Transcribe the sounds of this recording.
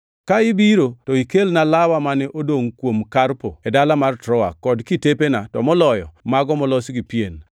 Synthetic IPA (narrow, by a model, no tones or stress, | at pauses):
kaɪbiɾotɔikelnalawamanɪʔodoŋkwomkarpoɛdalamartɾɔa̰kːɔdkitepenatɔ̰mɔlɔjɔ̰maɡɔmɔlɔsɡipien